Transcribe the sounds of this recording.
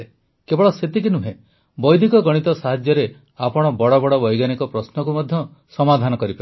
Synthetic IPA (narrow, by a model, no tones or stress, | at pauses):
e | kebɔɭɔset̪ikinuɦẽ | bɔjd̪ʱikɔɡɔɽ̃it̪ɔsaɦad͡ʒjɔɾe | apɔɽ̃ɔbɔɽɔbɔɽɔbɔjɡanikɔpɾɔsnɔkumɔd̪ʱjɔ | sɔmad̪ʱanɔkɔɾipa